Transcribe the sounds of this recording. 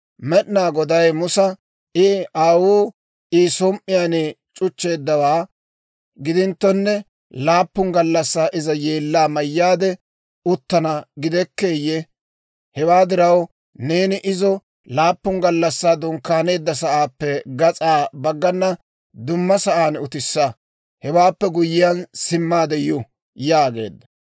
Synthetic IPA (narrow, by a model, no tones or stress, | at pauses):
mɛɗnaːɡɔd̪ɐjmʊsɐ | ɪʔaːwuː | isɔmʔɪjaːne | t͡ʃʼʊt͡ʃːe̞ːd̪ːɐwaː | ɡɪd̪ɪnt̪ːɔnːɛ | laːpːʊŋɡɐlːɐsːaːʔɪzɐjeːlːaːmɐjːaːd̪ɛ | ʊt̪ːɐnɐɡɪd̪ɛkːe̞ːjːɛ | hɛwaːd̪ɪɾɐw | ne̞ːnɪʔɪzɔ | laːpːʊŋɡɐlːɐsːaːd̪ɔŋkːaːne̞ːd̪ːɐsɐʔaːpːɛɡɐt͡sʼaːbɐɡːɐnːɐ | d̪ʊmːɐsɐʔaːnʊt̪ɪsːɐ | hɛwaːpːɛɡʊjɪjɐnsɪmːaːd̪ɛjʊ | jaːɡe̞̰ːd̪ːɐ̥